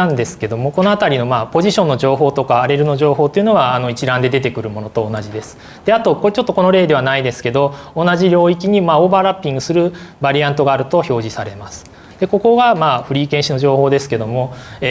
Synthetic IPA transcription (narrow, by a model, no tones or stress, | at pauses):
ãnd̪e̞sɨ̥ke̞d̪o̞mo̞ko̞no̞at̪aɾʲino̞maːpo̞ʑiɕõ̞nːo̞d͡ʑo̞ːɦo̞ːt̪o̞kaːɾe̞ɾɯ̟no̞ʑo̞ːɦo̞ːt̪ːeiɯ̟no̞βaːno̞it͡ɕiɾãnd̪e̞d̪e̞t̪e̞kɯ̟ɾɯ̟mo̞no̞t̪o̞ːnaʑid̪e̞sɨ̥ | d̪̥e̞at̪o̞kot͡ɕo̞t̪ːo̞ko̞no̞ɾe̞ːd̪e̞βanaid̪e̞sɨ̥ke̞d̪o̞ːnaʑiɾʲo̞ːik̬ʲiɲ̟imaːoːbaɾapʲːĩŋɡɯ̟sɨɾɯ̟baɾʲiãnt̪o̞ɡaːɾɯ̟t̪o̞ço̞ːʑisaɾe̞masɨ̥ | d̪̥e̞ko̞ko̞ɡamaːɸɯ̟ɾʲiːkẽ̞ɕino̞ʑo̞ːho̞ːd̪e̞sɨ̥ke̞d̪o̞moe